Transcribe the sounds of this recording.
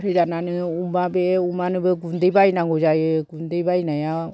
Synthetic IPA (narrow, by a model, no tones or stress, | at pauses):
ɾed͡ʒananɯumabeumanɯbeɡundebainaŋɡod͡ʒajɯɡundebainaja